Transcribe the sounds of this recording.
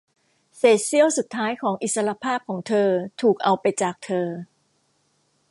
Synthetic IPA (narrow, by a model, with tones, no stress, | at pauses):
seː˧˩si˥˩əwsu˨˩t̪ʰːaː˦˥jkʰɔː˩˦ŋʔi˨t̪̚sa˧ɾa˧pʰaː˥˩p̚kʰɔː˩˦ŋt̪ʰɤː˧t̪ʰuː˨˩k̚ʔa˧wpa˧jt͡ɕaː˨˩k̚t̪ʰɤː˧